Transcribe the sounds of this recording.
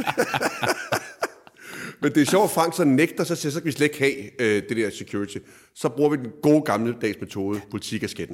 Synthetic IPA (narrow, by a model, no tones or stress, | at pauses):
mend̥e̝æɐɕɒʊ̥æfɑ̈ŋ̰ɡ̥sɒneɡ̥̚d̥ɐsɒ̽siɐs̬ɒ̽kæʋisled̥e̥ɡ̥hɛːød̥e̝d̥ɛɐ̰sekʰjuɐʁit͡sʰi | sɒ̽b̥ʁuɐʋid̥enɡ̥o̝̰ːɡ̥ɑ̈mləd̥ɛ̰ːsme̝t͡sʰo̝ːð̞ˠəpʰo̝lit͡sʰḭɡ̥æsɡ̥ed̥n̩